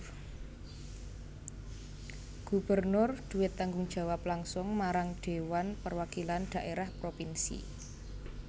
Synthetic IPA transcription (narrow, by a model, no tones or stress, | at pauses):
ɡ̥ṳb̥ərnʊrd̪̥ṳwɪt̪ːaŋɡʊŋd̥ʒ̥ä̤waplaŋsʊŋmaɾaŋɖ̪̥e̤wanpərwakiland̪̥a̤ʔeɾahpɾopinsḭ